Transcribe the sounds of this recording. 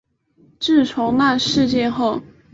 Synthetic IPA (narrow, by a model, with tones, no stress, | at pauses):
ʈ͡ʂɻ̩˥˩ʈ͡ʂʰo˧˥ʊna˥˧ʂɻ̩˥˧t͡ɕjɛ˥˧xo˥˩ʊ